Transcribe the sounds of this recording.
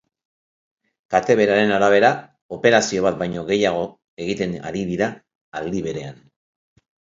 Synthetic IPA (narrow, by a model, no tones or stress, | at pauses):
kat̪e̞βe̞ɾaɾe̞naɾaβ̞e̞ɾa | o̞pe̞ɾasio̞β̞at̪̚bajɲo̞ɣe̞jaɣ̞o̞ | e̞ɣit̪e̞na̰ɾiðiɾaː | ld̪iβe̞ɾe̞an